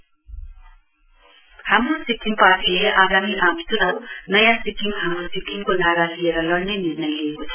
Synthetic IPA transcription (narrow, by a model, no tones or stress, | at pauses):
hamɾosikːiŋpaʈʰileʔaɡamiʔaktuɾʌwnʌjãsikːiŋɦamɾosikʰːiŋkonaɾalijeɾʌlʌɽnʌniɾnʌjleːkot͡sʰḁ